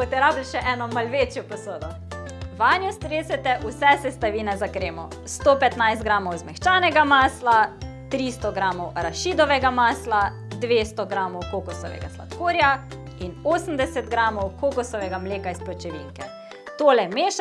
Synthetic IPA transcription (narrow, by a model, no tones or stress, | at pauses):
pɔt̪ɛɾablʃɛʔɛnɔmalʋet͡ʃjɔpɔsoːd̪ɔ | ʋaːnjɔst̪ɾesɛt̪ɛʔusɛsɛst̪aʋiːnɛzakɾeːmɔ̰ | st̪opɛt̪najst̪ɡɾaːmɔwzmɛxt͡ʃaːnɛɡamaːslat̪ɾist̪ɔɡɾaːmɔwɾaʃiːd̪ɔʋɛɡamaːsla | d̪ʋeːst̪ɔɡɾamɔwkokɔsɔ̰ʋɛ̰ɡa̰sla̰t̪koːɾja | inoːsəmd̪ɛsɛt̪̚ɡɾaːmɔwkokɔsɔʋɛɡamleːkaisplɔt͡ʃɛʋḭŋkɛ | t̪oːlɛmeːʃ